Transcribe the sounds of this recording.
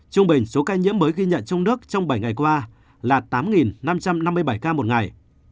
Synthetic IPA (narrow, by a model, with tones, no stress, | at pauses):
t͡ɕʊ˧ŋ͡mɓï˨˩ŋ̟so˨˦kaː˧ɲḭ˧˥əmːməː˨˦jɣi˧ɲə̰˧˨nt͡ɕɔ˧wŋ͡mnɨ˦˥ək̚t͡ɕɔ˧wŋ͡mɓa˧˩jŋa˨˩jkwaː˧ | laː˨˩t̪aː˨˦mŋi˨˩nna˧mt͡ɕa˧mna˧mːɨ˧əjɓa˧˩jkaː˧mo˨˩t̚ŋa˨˩j